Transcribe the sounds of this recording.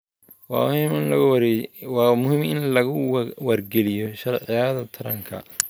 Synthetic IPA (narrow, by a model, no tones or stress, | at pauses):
wɑ̰imɪnlɐɣwɑːmʊhɪmʔɪnlɐɣʊwɐrɡɛlɪjɔʃɐrʕɪjaːðɐt̪ʰɐɾɐŋkʰɐ̰